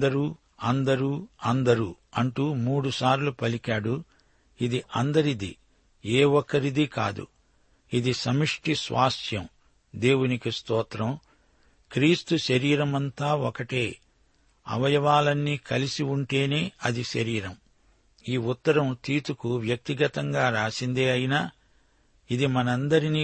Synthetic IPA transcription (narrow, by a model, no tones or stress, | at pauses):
d̪ɐɾuː | ɐnd̪ɐɾuːɐnd̪ɐɾuɐɳʈumuːɽusaːɾlupɐlikaːɽu | id̪iʔɐnd̪ɐɾid̪i | eːwɔkːɐɾid̪ika̰ːd̪ṵ | id̪isɐmiʂʈisʋa̰ːsjɐm | d̪e̞ːwunikist̪ɔːt̪ɾɐm | kɾiːst̪uʃɐɾiːɾɐmɐnt̪aːɔkɐʈe̞ː | ɐ̰ʋɐjɐʋaːlɐnːiːkɐlisiuɳʈe̞ːne̞ːɐd̪iʃɐɾiːɾɐm | iːut̪ːɐɾɐmt̪iːt̪ukuʋjɐk̚t̪iɡɐt̪ɐŋɡaːɾaːsind̪eːɐjinaː | id̪imɐnɐnd̪ɐɾiniː